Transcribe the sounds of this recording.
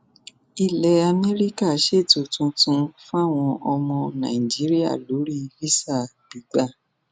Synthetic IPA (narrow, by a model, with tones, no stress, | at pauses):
i˧lɛ˨a˧mɛ˦ɾi˦ka˦˨ʃe˦˨tu˨tũ˧tũ˧fũ˦a˦˨w̃ɔ̃˧ʔɔ˧mɔ̃˧nã̰˨ĩ˨d͡ʒi˨˦ɾi˦a̰˦˨lo˨˦ɾi˦fi˦sa˦˨ | b̥i˨˦ɡ͡ba˦˨